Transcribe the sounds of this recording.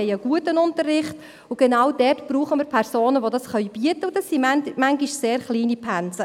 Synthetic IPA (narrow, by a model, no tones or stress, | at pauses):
ɛjəɡ̥uətənʊntərɪχt | ʊɡ̥ɛnaːwdɛrtb̥ruːχəməɾpʰɛɾsoːnəʋodɑsχœʏb̥iətəʊd̥ɑsːimmæŋɡiʃseːɾχliːnipʰænt͡sə